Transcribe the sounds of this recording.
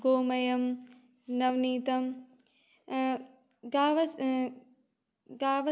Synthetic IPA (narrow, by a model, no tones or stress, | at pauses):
ɡoːmɐjɐm | nɐʋniːt̪ɐm | ɡaːʋɐs | ɡaːʋɐ